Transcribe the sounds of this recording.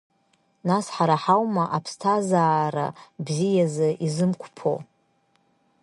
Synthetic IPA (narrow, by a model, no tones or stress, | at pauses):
nasħaɾaħawmaʔapʰstʰazaːɾa̰bzijazɨʔizɨmkʷʰpʰo̰